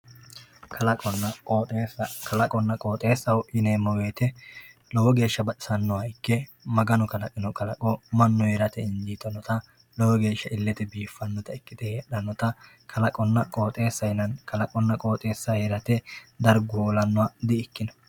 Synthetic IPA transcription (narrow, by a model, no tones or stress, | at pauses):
kʰɐlɐkʼɔnːɐkʼoːt̪ʼeːsɐkʰɐlɐkʼɔnːɐkʼoːt̪ʼe̞ːsːɐwʊʔɪneːmɐwe̞ːt̪ɛ | lɔwɔɡe̞ːʃːɐbɐtɪ̥sɐnːɔɐjkːɛ | mɐɡɐnɔkɐlɐkʼːɪnɔkɐlɐkʼɔmɐnːɔheɾɐt̪ɛɪnd͡ʒiːt̪ɐnɔt̪ɐ | lɔwɔɡe̞ːʃːɐʔɪlːɛt̪ɛbiːfːɐnːɔt̪ɐɪkːɪd̪ɛheːᶑɐnːɔt̪ɐ | kʰɐlɐkʼɔnːɐkʼo̞ːt̪ʼe̞ːsːɐjɪnɐnkɐlɐkʼɔnːɐkʼo̞ːt̪ʼe̞ːsːɐheɾɐt̪ɛd̪ɐɾɡʊoːlɐnːɔwad̪ɪɪkːɪnɐ